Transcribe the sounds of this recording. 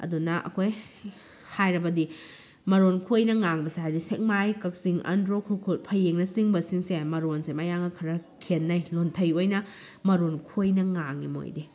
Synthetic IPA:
ɐ̰dunɐʔɐ̰kʰoj | hajɾɐbɐdi | mɐɾonkʰojnɐŋaŋbɐseɦajdisek̚majkɐk̚siŋɐ̰ndɾokʰukʰut̚pʰɐjeŋnɐsiŋbɐsiŋsemɐɾonsemɐjaŋɐkʰɐɾɐkʰenːɐjlontʰɐjojnɐ | mɐɾonkʰojnɐŋaŋimo̰jde

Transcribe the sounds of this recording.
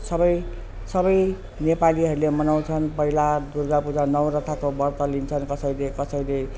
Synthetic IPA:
sʌbʌj | sʌbʌj | nepaliɦʌɾulemʌnaw̃t͡sʰʌnpʌɦilad̪urɡapud͡zanʌwɾʌt̪ʰakobʌrt̪ʌlint͡sʰʌnkʌsʌjlekʌsʌjle

